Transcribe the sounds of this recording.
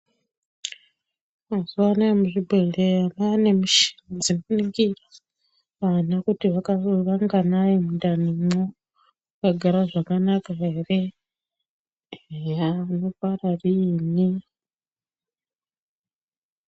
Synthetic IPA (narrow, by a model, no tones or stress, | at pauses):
mazuʋanaemuʐibʱeleamaane̞muʃi̥nd͡zinoniŋɡira | ʋanakutiʋakaʋaŋɡanajemundanimo | kaɡʱaɾaʐakanakaere | ano̞pararini